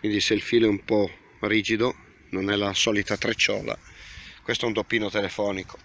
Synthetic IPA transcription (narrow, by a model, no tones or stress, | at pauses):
mid̪isːeilfiːlɛumpɔ | riːd͡ʒid̪o | nonɛlasɔːlit̪at̪ɾet͡ʃːɔ̰ːla̰kwest̪oɛund̪opːiːnot̪elefɔːniko̥